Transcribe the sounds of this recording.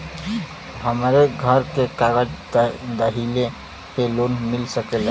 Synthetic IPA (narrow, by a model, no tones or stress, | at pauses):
ɦəmɾeɡʱəɾkekaɡəd͡ʒd̪əɦile | kelonmilsəkel